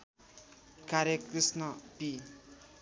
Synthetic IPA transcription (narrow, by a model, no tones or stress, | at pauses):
kaɾjʌkrisnʌpi